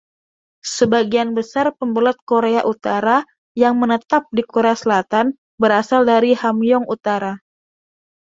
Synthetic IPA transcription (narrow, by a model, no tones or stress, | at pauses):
səbaɡianbəsarpəmbəlɔt̪̚koɾeaʔut̪aɾa | jaŋmənət̪ap̚dikoɾeasəlat̪an | bəɾasaldaɾihamjɔŋut̪aɾa